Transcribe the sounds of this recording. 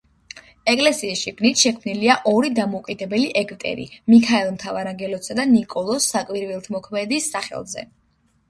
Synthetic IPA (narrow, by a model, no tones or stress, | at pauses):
ɛkʼlɛsiːsʃiɡnit̪ʰʃɛkʰmniliaʔɔɾid̪amɔukʼid̪ɛbɛliʔɛkʼt̪ʼɛ̰ɾḭmikʰaɛlˠmt̪ʰavaɾaŋɡɛlɔsad̪anikʼɔlˠɔsːakʼwiɾvilˠt̪ʰmɔkʰmɛd̪isːaχɛ̰lˠzɛ̰